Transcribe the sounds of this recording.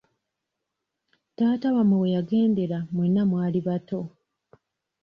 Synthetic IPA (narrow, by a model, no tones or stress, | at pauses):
taːtawamwewe̞jaɡe̞ːnde̞ɾamwenːamwaːliβato̞